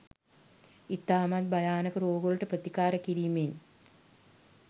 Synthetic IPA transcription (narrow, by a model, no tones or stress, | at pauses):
it̪ːaːmat̪̚bɐjaːnɐkəɾoːɡoɭʈəprət̪ikaːɾəkiɾiːmen